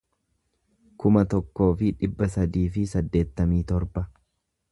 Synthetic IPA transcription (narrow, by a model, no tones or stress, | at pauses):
kʊmɐt̪ɔkːo̞ːfɪᶑɪbːɐsɐd̪iːfɪsɐd̪ːe̞ːt̪ːɐmiːt̪ɔɾbɐ